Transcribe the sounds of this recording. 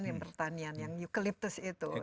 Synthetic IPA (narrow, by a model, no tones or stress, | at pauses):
njaŋpərt̪anianjaŋjukalip̚t̪ʊsit̪u